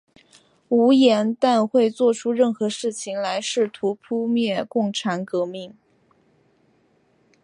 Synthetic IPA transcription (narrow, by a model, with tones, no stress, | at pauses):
u˧˥jɛ˧˥nt̪a˥˧nxwe˥˧ɪt͡swɔ˥˩ʈ͡ʂʰu˥ɻə˥˩nxɤ˧˥ʂɻ̩˥˩t͡ɕʰi˨˩ŋla˧˥ɪʂɻ̩˥˩t̪ʰu˧˥pʰu˥mjɛ˥˧kʊ˥˩ŋʈ͡ʂʰa˧˥nkɤ˧˥mi˥˩ŋ